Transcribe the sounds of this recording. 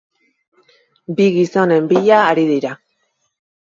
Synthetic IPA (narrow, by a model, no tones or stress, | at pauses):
biɣiso̞ne̞mbiʎaːɾiðiɾa